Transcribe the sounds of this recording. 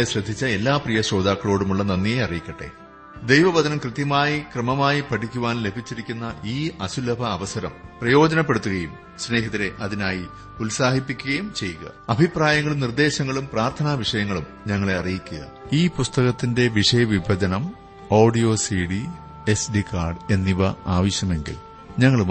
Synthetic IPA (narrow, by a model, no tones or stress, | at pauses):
eɕrɐd̪ʱːit͡ɕːɐe̞lːaːprijɐɕo̞ːd̪aːkːɐɭo̞ːɽumuɭːɐnɐnːieɐrijikʲːɐʈːe̞̰ | d̪ejʋɐbɐd̪ɐnɐmkrɨt̪jɐmaːjikrɐmɐmaːjipɐʈʰikʲːuʋaːnle̞bʱit͡ɕːiɾikʲːunːɐʔiːɐsulɐbʱɐːʋɐsɐɾɐ̰mprɐjo̞ːd͡ʑɐnɐpːe̞ɽut̪ːuɣɐjum | sne̞ːɦɐðiɾe̞ʔɐðinaːji | ulsaːhipːikʲːuɣɐjumt͡ɕe̞jːuɣɐ̰ɐbʱipraːjɐŋːɐɭumnird̪e̞ːɕɐŋːɐɭumpraːrt̪ʰɐnaːʋiʂɐjɐŋːɐɭum | ɲɐŋːɐɭe̞ɐrijikʲːuɣɐ̰ð | iːpust̪ɐɣɐt̪ːinde̞ʋiʂɐjɐʋibʱɐd͡ʑɐnɐm | oːɖijo̞ːsiɽi | e̞sɖikaːrɖe̞nːiʋɐaːʋɐɕjɐme̞ŋɡḭl | ɲɐŋːɐɭum